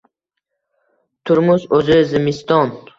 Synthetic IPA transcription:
t̪ʰʊɾmʊsɵzɪzɪmɪst̪ɒn

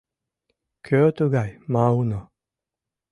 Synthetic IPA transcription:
kʰʲoːt̪uɡajmaɯno

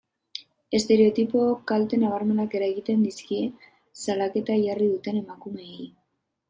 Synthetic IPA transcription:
e̞st̪e̞ɾe̞o̞t̪ipo̞kalt̪e̞naβ̞aɾme̞nake̞ɾaeɣit̪e̞nd̪iskie̞ | salake̞t̪aʝariðut̪e̞ne̞makume̞ːj

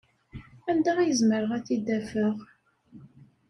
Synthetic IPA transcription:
ænd̪ææjəzməɾəʁæθid̪æfəʁ

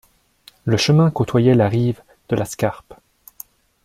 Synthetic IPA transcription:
ləʃəmɛ̃kot̪wajɛlaʁiv | d̪̥əlaskaʁp

